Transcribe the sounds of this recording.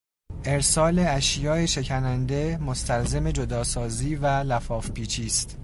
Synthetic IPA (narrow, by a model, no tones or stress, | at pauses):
ʔe̞ɾsɒːleæʃjɒːeʃe̞cʰænænd̪e̞most̪ʰælze̞me̞d͡ʒo̞d̪ɒːsɒːziːvælæfɒːfpʰiːt͡ʃʰiːst̪